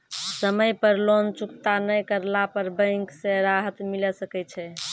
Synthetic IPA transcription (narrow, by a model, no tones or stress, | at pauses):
səməjpəɾlont͡ʃukt̪anəjkəɾlapəɾbə̃ŋksẽɾaɦət̪milɛsəkɛt͡ʃʰɛ